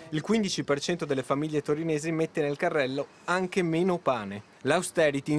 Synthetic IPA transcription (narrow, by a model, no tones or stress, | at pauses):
ilkwind̪it͡ʃipert͡ʃɛnt̪od̪elːefamiʎːet̪oɾineːzimet̪ːenelkarːɛlːo | aŋk̟emeːnopaːne | lawst̪ɛːɾit̪i